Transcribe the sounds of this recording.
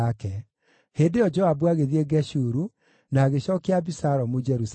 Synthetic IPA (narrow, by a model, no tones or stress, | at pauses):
akɛ | heːndeɔd͡ʒɔabuaɣeðieɡɛɕuɾu | naːɣeɕɔːkeabisaɾɔmod͡ʒɛɾus